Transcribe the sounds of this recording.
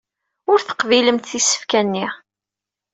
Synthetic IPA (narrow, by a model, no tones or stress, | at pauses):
ʊɾθə̥qviləmt̪θisə̥fkænːi